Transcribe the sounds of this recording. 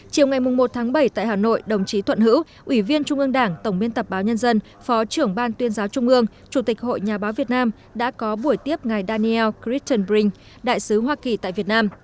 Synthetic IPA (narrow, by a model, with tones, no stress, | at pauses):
t͡ɕi˨˩əwŋ͡mŋa˨˩jmʊ˨˩ŋ͡mmo˨˩t̚t̪ʰaː˨˦ŋɓə˧˩jt̪a̰ː˧˨jɦaː˨˩no̰˧˨jɗə˨˩wŋ͡mt͡ɕi˨˦t̪ʰwə˧˨nhɨ̰˧˥w | ʔwi˧˩vi˧ənt͡ɕʊ˧ŋ͡mʔɨ˧əŋɗaː˧˩ŋt̪ə˧˩wŋ͡mmi˧ənt̪ə˨˩p̚ɓaː˨˦wɲə˧nzə˧n | fɔ˨˦t͡ɕɨ˧˩əŋɓaː˧nt̪wi˧ənzaː˨˦wt͡ɕʊ˧ŋ͡mʔɨ˧əŋ | t͡ɕu˧˩t̪i˨˩k̟̚ho̰˧˨jɲaː˨˩ɓaː˨˦wvi˨˩ət̚naː˧m | ɗa̰ː˧˥kɔ˨˦ɓu˧˩əjt̪i˦˥əp̚ŋa˨˩jɗaː˧ni˧ɛ˧wki˦˥t͡ɕə˧nɓi˧ŋ | ɗa̰ː˧˨jsɨ˨˦ɦwaː˧ki˨˩t̪a̰ː˧˨jvi˨˩ət̚naː˧m